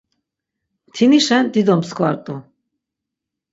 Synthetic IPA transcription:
t̪ʰiniʃɛnd̪id̪ɔmskʰvaɾt̪ʼu

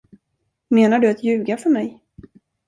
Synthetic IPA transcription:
meːnaɖɵat̪jʉ̟ːɡafœɾmɛj

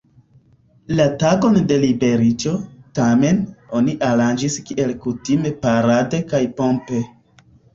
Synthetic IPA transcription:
lataɡo̞nde̞libe̞ɾit͡ʃo̞tame̞no̞niʔaɾand͡ʒiskiʔe̞lkutime̞paɾade̞kajpo̞mpe̞

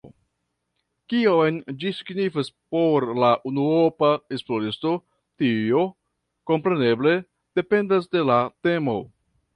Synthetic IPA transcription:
kiojnd͡ʒisiɡnifaspo̞ɾlaʔunuɾo̞pae̞splo̞ɾisto̞ | tio̞ | ko̞mpɾe̞ne̞ble̞ | d̥e̞pe̞ndas̬de̞late̞mo̞̰

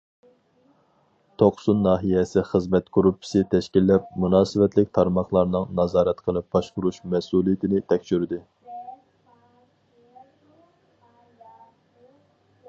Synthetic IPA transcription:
t̪ʰoqsunːɑːɦijɛsɪχəzmɛt̪koɾupʰɪ̥sɪt̪ʰɛʃkʲilːɛp̚munɑːsɨvɛt̪lɪk̚ʲt̪ʰɑɾmɑχlˠɑɾnɨŋnɑzɑːɾɛt̪qʰəlˠɨp̚b̥ɑʃqʊɾuʃmɛsulˠijɪt̪ʰɪnɪt̪ʰɛkʲʃyɾɪd̪ɪ

